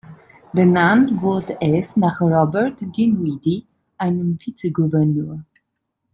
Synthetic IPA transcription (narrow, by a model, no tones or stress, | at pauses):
bənantvʊɹtɛsnaχrɔbəɹtɡinwidi | ʔaɪnəmfit͡səɡuvɛʁnøː